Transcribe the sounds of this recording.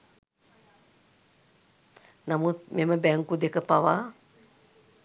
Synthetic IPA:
namut̪̚meməbɛŋkud̪ekəpaʋa

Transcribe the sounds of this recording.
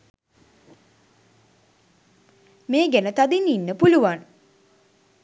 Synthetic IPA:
meːɡænət̪ad̪ininːəpuluʋan

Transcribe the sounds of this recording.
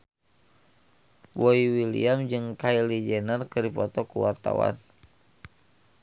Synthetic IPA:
wɔiwilḭamd͡ʒɨŋkailid͡ʒɛnərkɨrdipɔt̪ɔkuwart̪a̰wa̰n

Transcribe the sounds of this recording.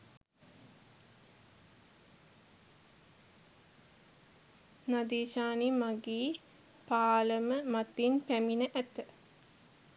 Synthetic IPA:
nad̪iːʃaːnimaɡiː | paːləməmat̪inpæminəʔæt̪ə

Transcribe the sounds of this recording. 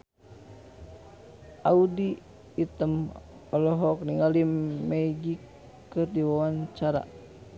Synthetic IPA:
ʔaudiː | t̪əm | ɔlɔɦɔk̚niŋalimɛɡikː | ɨrdiwawaɲt͡ʃaɾa̰

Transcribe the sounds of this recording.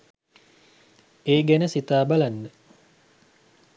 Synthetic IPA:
eːɡɛnəsit̪aːbalanːə

